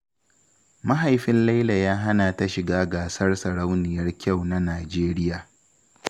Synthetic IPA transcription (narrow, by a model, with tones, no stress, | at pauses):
ma˦ɦa˨jɸɪ˦nla˦jla˨jaː˦ɦa˦na˨ta˦ʃɪ˨ɡaː˦ɡaː˨sɐ˦rsɐ˨ɽa˦wnɪ˨jɐ˦rkʲa˦˨wna˦naː˨d͡ʒeː˦ɾɪ˦jaː˨